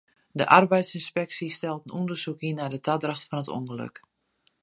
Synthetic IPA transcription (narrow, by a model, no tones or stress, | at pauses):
dəʔarbɛjtsinspɛksistɛlˠtənundərsukinadətʰadraxtfɔnətṵŋɡələ̰k